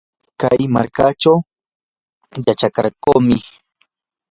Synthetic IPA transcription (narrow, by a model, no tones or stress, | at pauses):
kajma̰ɾkat͡ʃaw | jat͡ʃaka̰ɾkoːmɪ